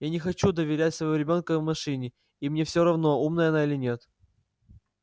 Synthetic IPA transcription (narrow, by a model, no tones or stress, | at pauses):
janʲɪxɐt͡ɕud̪əvʲɪɾʲætʲsvɐjvoɾʲɪbʲo̞nkəvmɐʂɨnʲɪ | imnʲe̞fsʲoɾɐvno̞umnəjəɐnailʲɪnʲe̞t̪